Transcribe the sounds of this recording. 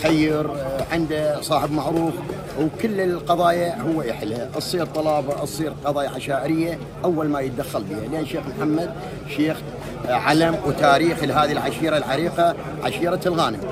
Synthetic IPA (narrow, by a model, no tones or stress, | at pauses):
xajːɪɾʕɪnd̪asˤɑːħɪbmaʕɾuːf | wkʊlːɪlqɑðˤɑːjahʊwːaʔɪħlaʔɨsˤiːɾt̪ˤɑlɑːbɑʔɨsˤiːɾqɑðˤɑːjaʕaʃaːʔɪɾɪjːa | ʔawːalmajət̪ad̪axːalbiːhaleːnʃːeːxmħamːad̪̚ | ʃeːx | ʕalamwt̪aːɾiːxlɦaːðiilʕaʃiːɾalʕaɾiːqɑ | ʕa̰ʃiːɾalɣaːnɪm